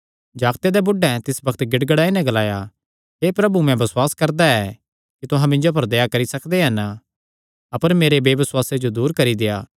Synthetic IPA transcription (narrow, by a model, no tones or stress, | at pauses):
d͡ʒaːɡt̪ed̪ɛbʊɖɛ̃t̪ɪsbɐkʰt̪ɡɪɽɡəɽaːinɛ̃ɡɐlaːja | ɦeːpɾɐbumɛ̃bɐswaːskɐɾd̪aɛ | kit̪ʊɦãmɪ̃nd͡ʒop̬ɐɾd̪ejakɐɾisɐkʰd̪eɦɐn | ɐpəɾmeːɾebeːbɐswaːsed͡ʒod̪uːɾkɐɾid̪ejaː